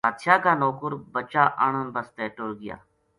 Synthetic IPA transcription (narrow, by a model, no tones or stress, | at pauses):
aːd̪ʃaːkaːnoːkʊɾbət͡ʃaːʔəɳ̃ənbəst̪eːʈoːlɡɪja̰ː